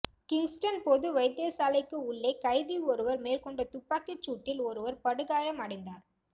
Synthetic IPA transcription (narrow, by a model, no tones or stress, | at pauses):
kɪŋsʈɐnpɔðɯʋɐɪt̪ːeːsaːlɐɪkːɯʊɭːeːkɐɪðiɔɾɯʋɐɾmeːɾkɔɳɖɐt̪ʊpːaːkɪt͡ʃːuːʈːɪlɔɾɯʋɐɾpɐɽɯɣaːɻɐmɐɽɐɪnd̪aːɾ